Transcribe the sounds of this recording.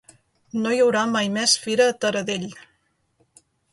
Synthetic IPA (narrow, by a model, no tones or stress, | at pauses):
nojəwɾamajmɛsfiɾəːt̪əɾəðeʎ